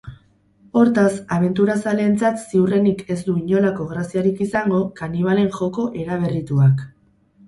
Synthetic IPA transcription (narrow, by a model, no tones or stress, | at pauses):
o̞ɾt̪asaβ̞e̞nt̪uɾasale̞ːnt͡sat̪siure̞nike̞zd̪uiɲo̞lako̞ɣ̞ɾasiaɾikisaŋɡo̞kaniβ̞ale̞ŋʝo̞ko̞ʔe̞ɾaβ̞e̞rit̪uak